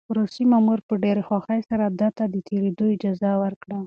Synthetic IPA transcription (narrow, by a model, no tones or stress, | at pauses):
pɾosimamuɾpəɖeɾexwɑxajsaɾad̪at̪ad̪ət̪ʰeɾed̪oɪd͡ʒɑzawəɾkɽa